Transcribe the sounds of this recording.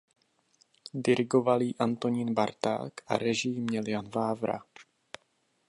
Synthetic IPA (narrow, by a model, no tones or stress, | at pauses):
dɪɾɪɡo̞valiːʔant̪o̞ɲɪnbaɾt̪a̰ːkʔa̰ɾɛʒɪjmɲɛljanvaːvɾa̰